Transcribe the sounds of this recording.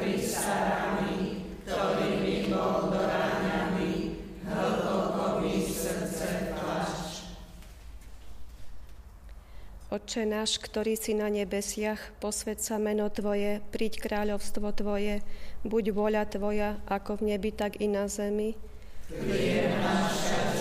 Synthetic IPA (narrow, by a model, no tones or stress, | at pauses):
isaɾamikt̪ɔɾiːbimɔd̪ɔɾaɲamiɦ̩t̪ɔkɔʋisrt͡sɛa | ɔt͡ʃɛnaːʃkt̪ɔɾiːsinaɲɛbɛsɪaxpɔsʋɛt̪samɛnɔt̪ʋɔjɛpɾiːckɾaːʎɔʊst̪ʋɔt̪ʋɔjɛbuɟʋʊɔʎat̪ʋɔjaʔakɔvɲɛbit̪aɡinazɛmi | ɛaʃ